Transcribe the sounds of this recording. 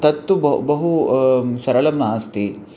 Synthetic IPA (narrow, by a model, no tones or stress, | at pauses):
t̪ɐt̪ːubbɐɦusɐɾɐlɐmnaːst̪i